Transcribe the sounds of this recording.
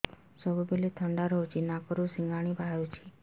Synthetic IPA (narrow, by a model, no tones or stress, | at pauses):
səbubelet̪ʰəɳɖaɾəɦot͡ʃʰinakɔɾusiŋɡaɽ̃ibʱajut͡ʃʰi̥